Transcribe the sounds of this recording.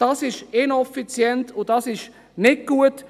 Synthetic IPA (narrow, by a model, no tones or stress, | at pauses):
d̥ɑsɪʃɪnɛfit͡sjɛntʊdɑsɪʃ | nɪt̚ɡ̥uət